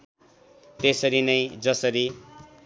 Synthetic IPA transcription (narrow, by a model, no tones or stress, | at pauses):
t̪esʌɾinʌjd͡zʌsʌɾi